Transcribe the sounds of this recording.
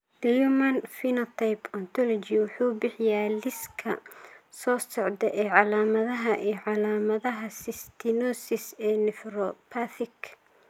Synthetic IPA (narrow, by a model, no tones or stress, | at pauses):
d̪̥ɐjumɐnfinɐt̪ʰajpʰɔnt̪ʰɔlɔt͡ʃiwʊħuːbɪħɪjaːlɪskʰɐ̰sɔːsɔʕd̪ɛʔɛːʕɑlaːmɐðɐɦɐʔiːʕɑlaːmɐðɐɦɐsɪst̪ʰɪnɔsɪsɛːnɪfrɔpʰaθɪkʰ